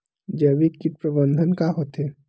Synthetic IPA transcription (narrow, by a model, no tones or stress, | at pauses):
d͡ʒəbikɪʈ̪pɾəbə̃nd̪ʱənkaɦoːt̪eː